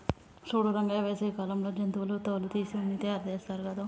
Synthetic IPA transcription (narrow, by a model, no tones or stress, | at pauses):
suːɽuɾɐŋɡaːʋeːsekaːlɐmloːd͡ʒɐnt̪uʋloːt̪ɐʋulut̪iːsiunːit̪eːɐɾd̪ɛːst̪aːɾukɐd̪aː